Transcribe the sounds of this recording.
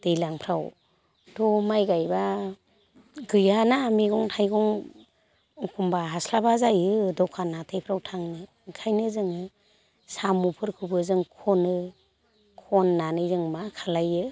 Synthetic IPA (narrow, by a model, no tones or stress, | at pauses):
d̥ɯjlaŋpʰɾaw | d̥ɔmajɡajba | ɡɯjanamiɡɔŋtʰajɡɔŋ | ɔkʰumbaɦaslabazajɯdɔkʰanatʰejpʰɾawtʰaŋnɯ | ŋkʰajnɯzɯŋɯ | samupʰɯɾkʰubɯzɯŋkʰɔnɯ | kʰɔnːanɯjzɯŋmakʰalajɯ